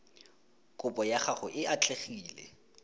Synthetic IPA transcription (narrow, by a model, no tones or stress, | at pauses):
kʼʊpʼɔjaχaχʊʔɪat͡ɬʼeχiːlɛ̰